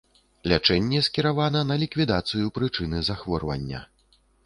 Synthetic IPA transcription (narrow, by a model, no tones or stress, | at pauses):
lʲat͡ʂɛnʲːɛskʲiɾavanɐnɐlʲikvʲid̪at̪sɨjupɾɨt͡ʂɨnɨzaxvɔrvɐ̰nʲːɐ̰